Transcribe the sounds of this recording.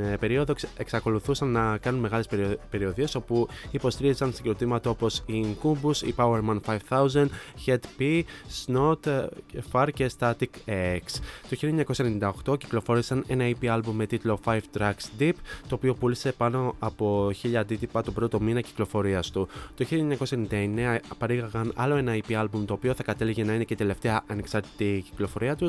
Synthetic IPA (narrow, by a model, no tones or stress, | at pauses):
pe̞ɾio̞ðoe̞ksɐko̞luθusɐnːɐkɐnunme̞ɣɐlespe̞ɾio̞ðie̞so̞puipo̞st̪iɾiizɐnst̪ɐɟiɾot̪imɐt̪ɐo̞po̞siŋkumbusḭpɐweɾmɐnfɐjv̥θɐuzɐnd̪çet̪pisnot̪fɐɾce̞st̪ɐt̪ikeekst̪oçilʎiɐeɲɐkosenind̪ɐo̞xt̪o̞ci̥klo̞fo̞ɾisɐne̞nɐipiɐlbumːe̞t̪it̪lo̞fajvt̪ɾɐksd̪ipt̪oːpio̞pulise̞pɐno̞ɐpo̞çiʎɐːnd̪it̪ipɐt̪opɾo̞t̪o̞minɐci̥klo̞fo̞ɾiɐst̪ut̪oçiʎɲɐkosenind̪ɐeneɐpɐɾiɣɐɣɐnɐlo̞e̞nɐipiɐlbumt̪o̞ːpio̞θɐkɐt̪e̞liʝenɐine̞cet̪e̞le̞ft̪e̞ɐʔɐneksɐɾt̪i̥t̪ici̥klo̞fo̞ɾiɐt̪u